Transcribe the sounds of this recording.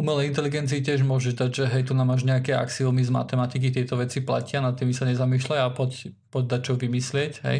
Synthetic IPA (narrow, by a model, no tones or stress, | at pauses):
umɛlɛint̪ɛliɡɛnt͡siːcɛʒmʊɔʒɛʒd̪aɟʒɛɦɛjt̪unaːmaʒɲɛakɛa̰ksiumizma̰t̪ɛmat̪ik̬it̪ɪɛt̪ɔʋɛt͡sipla̰cɪanat̪ːimisaɲɛzamiːʃlajapɔc | pɔɟ̚d̪at͡ʃɔʋimislɪɛcɦɛ̰j